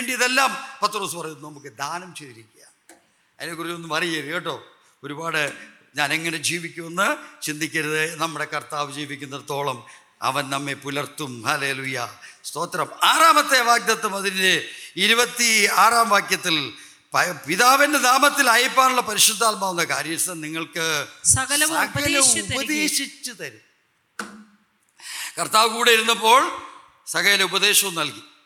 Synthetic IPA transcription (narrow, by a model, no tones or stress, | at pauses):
eɳɖijɐðelːaːmpɐt̪ːro̞ːsupɐrɐjunːunɐmukːɨd̪ʱaːnɐmt͡ɕeðiɾikʲːujaːɳ | ɐðinekurit͡ɕːumonːɨmɐrijɐʋeːʈːo̞ː | o̞ɾubaːɽɨ | ɲaːne̞ŋːɐne̞d͡ʑiːʋikʲːumenːɨt͡ɕind̪ikʲːɐɾɐðɨnɐmːuɽe̞kɐrt̪aːʋɨd͡ʑiːʋikʲːunːɐðt̪o̞ːɭɐm | ɐ̰ʋɐnnɐmːe̞pulɐrt̪ːumhale̞ːlujɐst̪o̞ːt̪ɾɐmaːraːmɐt̪ːe̞ʋaːɡ̚d̪ɐt̪ːɐmɐðinideiɾubɐt̪ːiaːraːmʋaːkjɐt̪ːil | pɐpiðaːʋɐnded̪aːmɐt̪ːilaːjipːaːnuɭːɐpɐɾiɕud̪ʱːaːlmaːʋunːɐkaːɾjɐsɐnniŋːɐɭkɨɐsɐɣɐlɐubɐðeːɕit͡ɕːut̪ɐɾu | kɐrt̪aːʋɨkuːɽeiɾunːɐpːo̞ːɭ | sɐɣɐleubɐðe̞ːɕɐʋumnɐlki